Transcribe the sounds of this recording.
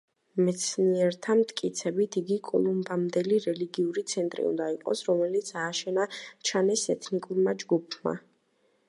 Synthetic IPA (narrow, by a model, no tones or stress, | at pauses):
mɛt̪sʰniɛɾt̪ʰamt̪ʰʼkʼit̪sʰɛbit̪ʰiɡikʼɔ̰lˠumbamd̪ɛliɾɛliɡiuɾit̪sʰɛnt̪ʼɾḭṵnd̪aiqʼɔ̰sɾɔmɛlit̪sʰaːʃɛnat͡ʃʰanɛsɛt̪ʰnikʼuɾmad͡ʒɡupʰma̰